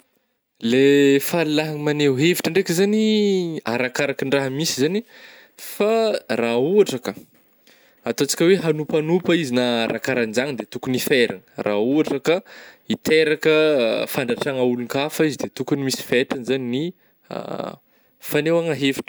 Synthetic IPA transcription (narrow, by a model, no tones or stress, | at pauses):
lefalulaɦaŋmaneɦeviʈ͡ʂəɳɖ͡ʐekʲəzaniaɾakaɾakinraɦəmisizani | farauaʈ͡ʂakə | at̪oat͡si̥kʲəweɦanupanupaizinaɾʔa̰kaɾand͡ʒaŋid̪et̪ukunifeɾa̰ŋərʔa̰uaʈ͡ʂakəit̪eɾakəfaɳɖ͡ʐaʈ͡ʂaŋaulunkafaizid̪et̪ukunimisi̥feʈ͡ʂanzanini | a̰ | fanewaŋaɦevi̥ʈ͡ʂə̥